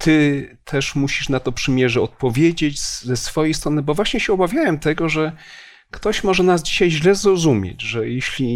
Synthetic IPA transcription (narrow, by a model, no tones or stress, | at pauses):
t̪ʰɘt̪ʰɛʂmuɕiʂnat̪ɔpʂɘmʲjɛʐɛɔt̪̚pɔvʲjed͡ʑet͡ɕszɛsfɔjejst̪ɾɔnɘbɔvwaɕɲɛɕɛɔbavʲjawɛmt̪ɛɡɔʐɛ | kt̪ɔɕmɔʐɛnazd͡ʑiɕajʑlɛzɾɔzumʲjḛd͡ʑʐɛjeɕlʲi